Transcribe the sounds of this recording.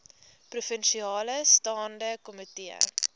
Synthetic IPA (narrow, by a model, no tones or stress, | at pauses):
prufənʃiɑːləstɑːndəkɔmitiə̰